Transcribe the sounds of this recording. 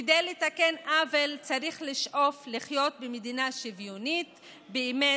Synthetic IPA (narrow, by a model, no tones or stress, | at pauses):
edejletake̞nʔavelt͡saɾiχliʃʔo̞fliχjo̞t̪̚bemed̪inaʃivjonit̪ | beime